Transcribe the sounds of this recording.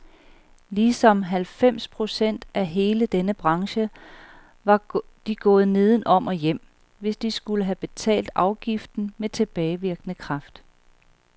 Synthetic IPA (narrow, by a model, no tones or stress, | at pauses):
lisɒ̽mɦælfem̰spʰʁo̝sen̰d̥æɦe̝ːləd̥enəb̥ʁɑ̈ŋɕə | ʋɑ̈ | d̥iɡ̥ɔ̽ːð̩ˠne̝ð̞ˠn̩ʔɒ̽m̰ʔɒ̽jem̰ | ʋe̝sd̥isɡ̥uləɦæb̥e̝t͡sʰɛ̰ːld̥ɑ̈ʊɡ̥ifd̥n̩met͡sʰe̝b̥ɛːɪʋiɐɡ̥ənəkʰʁɑ̈fd̥